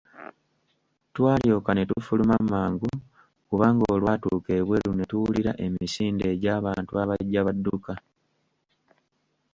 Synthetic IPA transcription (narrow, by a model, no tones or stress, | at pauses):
twaːljo̞ːkane̞tufulumamaːŋɡu | kuβaːŋɡoːlwatuːke̞ːβwe̞lune̞tuwuliɾa̰ʔe̞misiːnde̞ːɟaːβaːntuaβaɟːaβadːuka